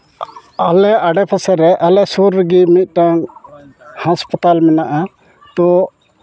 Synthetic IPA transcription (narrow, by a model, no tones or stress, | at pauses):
alɛaɖɛpʰasɛɾɛʔalɛsuɾːəɡimit̪̚ˀʈaŋ | haspat̪almɛnaʔa | t̪ɔ